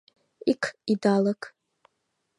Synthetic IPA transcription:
ikʰidalɐkʼ

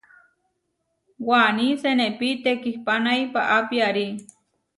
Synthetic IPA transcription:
wanisenepit̪ekihpanajpaʔapiaɾi

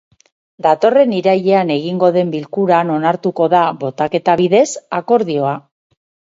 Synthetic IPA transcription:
d̪at̪o̞re̞niɾaʎe̞ane̞ɣ̞iŋɡo̞ðe̞mbilkuɾano̞naɾt̪uko̞ðaβo̞t̪ake̞t̪aβiðe̞sako̞ɾðio̞a

